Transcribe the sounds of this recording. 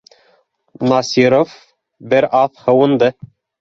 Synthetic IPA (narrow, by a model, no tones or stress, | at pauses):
nɑsʲiɾof | bɘɾɑθhɤ̆wɤ̆nd̪ɤ